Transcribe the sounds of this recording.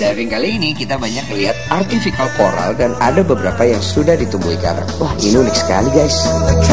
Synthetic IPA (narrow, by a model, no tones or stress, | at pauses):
daɾiŋkaliːnikit̪abaɲakːəliɦat̪̚art̪ifikalpoɾa̰ldanadabəbəɾapajaŋsudahdit̪umbuika̰nwahiniunɪk̚sə̥ka̰liɡajs